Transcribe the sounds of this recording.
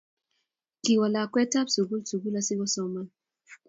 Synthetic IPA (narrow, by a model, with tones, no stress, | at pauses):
ki˨wa˨la˨kwɛ˦ta˦bsu˨ɡu˦lsu˨ɡu˦la˦si˦ɡɔ˦sɔ˦ma˦